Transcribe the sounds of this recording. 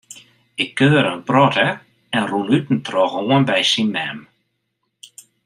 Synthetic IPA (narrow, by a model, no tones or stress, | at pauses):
ɪkʰːøːəɾənprɔtə | ɛnrunytn̩trɔɣoənbɛjsinmɛm